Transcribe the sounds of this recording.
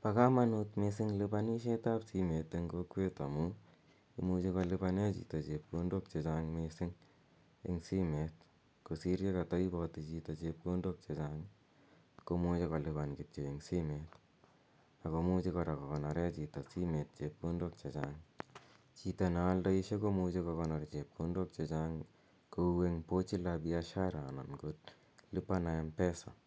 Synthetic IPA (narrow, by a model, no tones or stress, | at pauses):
pakamanutmesɪŋlipaniʃ̬etapsimeteŋɡokwetamu | imut͡ʃikɔlipanet͡ʃḭtot͡ʃep̚kondok̚t͡ʃet͡ʃaŋmesiŋ | ḭŋsimet̚ | kusiɾjekatɔibɔtit͡ʃitot͡ʃep̚kondok̚t͡ʃet͡ʃaŋ | komot͡ʃekɔlipankɪp̚t͡ʃeiŋsimet | akomut͡ʃikɔɾakɔkɔnaɾɛt͡ʃitasimet̚t͡ʃep̚kundok̚t͡ʃet͡ʃaŋ | t͡ʃitanaaldaiʃekomut͡ʃekɔkɔnɔɾt͡ʃep̚kundok̚t͡ʃet͡ʃaŋ | koweŋpot͡ʃilabiaʃaɾanɔ̰nkut̚ | lipanaempɛsa̰